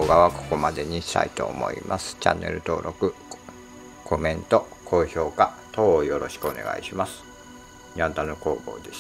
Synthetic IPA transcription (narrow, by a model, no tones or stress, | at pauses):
oɡaβako̞̥ko̞mad̪e̞ɲ̟iɕi̥t̪a̰it̪o̞̰ːmo̞̰ḭmasɨ̥t͡ɕa̰nːe̞̰ɾɯ̟t̪o̞ːɾʔo̞kɯ̟ | kʰo̞mẽ̞nt̪o̞kʰo̞ːço̞ːkat̪o̞ːjo̞ɾo̞ɕi̥kɯ̟one̞̰ɡa̰iɕimasɨ̥ | ɲʲiãnt̪anoko̞ːboːd̪e̞ɕ